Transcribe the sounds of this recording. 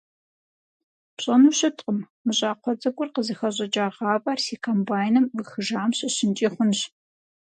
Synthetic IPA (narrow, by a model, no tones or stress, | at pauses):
pɕʼɐnuːɕɨtʼqʼəm | mɨɕʼaːqʷʰɔd͡zɐɡʷʼʊrqəzɨxɐʑʼɐd͡ʒʼaːʁɑːvʼarsiːkʰombaːjnɨmɨxɨʒaːmɕɪɕɪnt͡ʃʼiːχʷʊnɕ